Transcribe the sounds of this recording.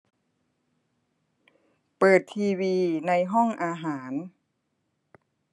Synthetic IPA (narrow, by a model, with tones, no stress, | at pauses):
pɤː˨˩t̪ʰːiː˧wiː˧na˧jɦɔ˥˩ŋʔaː˧ɦaː˩˦n